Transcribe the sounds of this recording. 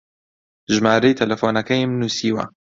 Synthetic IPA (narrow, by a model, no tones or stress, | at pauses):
ʒmaːɾejt̪ʰɐlɐfoːnɐkɐjmnuːsiːwɐ̰